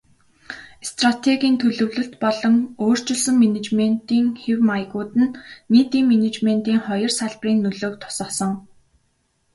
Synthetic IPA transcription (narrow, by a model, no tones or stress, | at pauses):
st̪rat̪ʰeɣʲiːnt̪ʰɵɮɵ̆wɮɵ̆ɬt̪pɔɮɞ̆ŋoːr̥t͡ɕɪ̆ɮsə̆ŋmenet͡ɕmen̥t̪iːŋxewmajɣuːt̪ɘ̆nːiːt̪iːŋmenet͡ɕmen̥t̪iːŋχɔjɞ̆rsaɮpriːnːɵɮoːk̚t̪ʰʊ̥sə̆sɞ̆ŋ